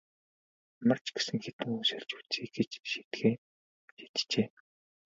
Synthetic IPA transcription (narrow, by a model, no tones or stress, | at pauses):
mə̆r̥t͡ɕɡe̥sɘ̆ŋxet̪ɘ̆ŋunsɘ̆ɮt͡ɕu̥t͡sʰiːɡet͡ɕʃit̪ɡeː | ʃi̥t̪t͡ɕeː